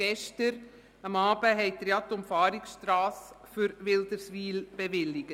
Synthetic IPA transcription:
ɛʃtəɾ | ɑmɑːb̥əɦɛɪt̪ɾjɑt̪ʊmfɑːɾiksʃtɾaːs | fʏɾʋɪld̪əɾsʋiːlb̥eʋɪlːɪɡ̥ə

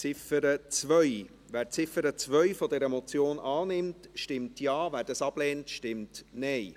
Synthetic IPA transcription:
t͡sɪfəɾət͡sʋœʏ | ʋæːɾt͡sɪfəɾət͡svœʏfɔdɛɾəmɔt͡sjoːnʔɑːnɪmtʃtɪmtjɑːvæːɾdɑsɑb̥lɛːntʃtɪmtnɛɪ

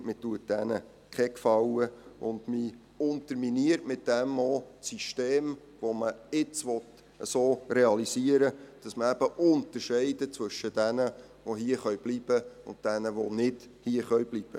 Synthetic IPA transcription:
mɪtuət̚d̥ɛnə | kʰɛkfɑwəʔʊ̰ndmi | ʊnt̪əɾminiəɾtmɪt̚d̥ɛmosiʃteːm | ʋoməɪt͡sʋɔt | əsoːreɑlisiəɾəd̥ɑsməæb̥əʔʊnt̪əʃɛɪdət͡sʋɵʃəd̥ænə | ʋoɦiəχœɥb̥liːb̥əʊ̰ntd̥ænəʋonɪdhiəχœʏbliːb̥ə̰

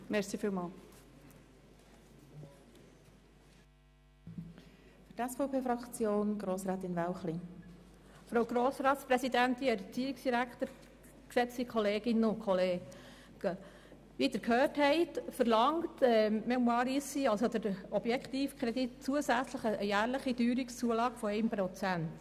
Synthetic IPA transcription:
mɛsiːfiːlmɑːl | fyɾtɛsfɔʊpʰeːfɾɑkt͡sjoːnɡɾoːsɾɛːt̪ɪnvæwχli | fɾowɡ̥ɾoːsɾɑːtspɾɛsid̪ænt̪iɛɾt͡siːɾiksd̥iɾækχt̪əɾ | ksɛt͡stikʰɔleːɡ̥ɪnʊnkʰɔleːɡ̥ | ʋid̪əɾkʰhøːrthɛɪtfəɾlɑŋtɛmɛmwɑːɾisiɑlsod̥̪əɾɔb̥jɛkʰt̪iːfkʰχɾɛd̥̪itt͡suəsæt͡sləχəjæːɾləχid̥yːɾikst͡suəlɑːɡ̥fɔɛɪmpɾɔt͡sænt̪

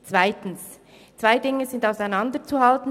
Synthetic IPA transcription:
t͡sv̥aɪtn̩s | t͡svaɪdɪŋəzɪndaʊsaɪnɑndət͡suɦaltn̩

